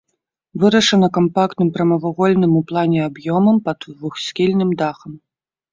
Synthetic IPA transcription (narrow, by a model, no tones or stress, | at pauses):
vɨɾɐʂɐnɐkampakt̪nɨmpɾɐmɐvaɣɔlʲnɨmuplˠanʲɛabjɔmɐmpɐd̪vuxsʲkʲilʲnɨmd̪axɐm